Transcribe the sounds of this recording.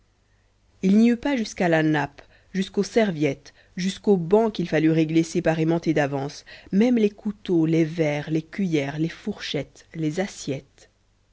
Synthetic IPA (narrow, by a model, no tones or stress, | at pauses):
ilniypaʒyskalanap | ʒyskosɛʁvjɛt̪ | ʒyskobɑ̃kʲilfalyʁeɡlesepaʁemɑ̃t̪ed̪avɑ̃smɛmlekʰut̪olevɛʁlekʲɥijɛʁlefuʁʃɛt̪lezasjɛt̪